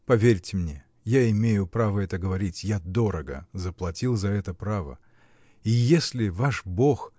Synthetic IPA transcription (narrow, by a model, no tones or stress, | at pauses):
pɐvʲeɾʲtʲɪmnʲe | jaɪmʲejʊpɾavəɛt̪əɡəvɐɾʲitʲjad̪o̞ɾəɡə̰zəplˠɐtʲilˠzɐɛt̪əpɾavə̰ | ijesʲlʲɪvaʂbo̞x